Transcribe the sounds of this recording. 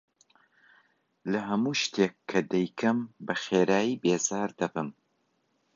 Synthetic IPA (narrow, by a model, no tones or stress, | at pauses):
lɐɦɐmuːʃt̪eːkʰːɐd̪ɛjkʰɨmbɐxeːɾaːjiːbeːzaːɾd̪ɐbɨm